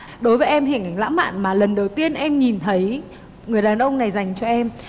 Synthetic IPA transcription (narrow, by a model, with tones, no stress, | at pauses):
ɗo˨˦jvəː˨˦jʔɛ˧mɦiː˨˩ŋ̟ʔa˨˦ŋla̰ː˧˥ma̰ː˧˨nmaː˨˩lə˨˩nɗə˨˩wt̪i˧ənʔɛ˧mɲi˨˩nt̪ʰə˨˦j | ŋɨ˨˩əjɗaː˨˩nʔə˧wŋ͡mna˨˩jza˨˩jŋ̟t͡ɕɔ˧ʔɛ˧m